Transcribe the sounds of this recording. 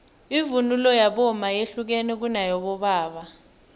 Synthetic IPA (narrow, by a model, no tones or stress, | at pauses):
ivunulɔjaɓɔmajeɬuk̬ɛnɛk̬unajɔɓɔɓaːɓa